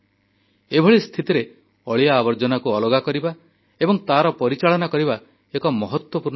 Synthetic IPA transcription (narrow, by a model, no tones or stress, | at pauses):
ebʱɔɭist̪ʰit̪iɾe | ɔɭijaːbɔɾd͡ʒɔnakuɔlɔɡakɔɾiba | ebɔŋt̪aɾɔpɔɾit͡ʃaɭɔnakɔɾiba | ekɔmɔɦɔt̪wɔpuɾ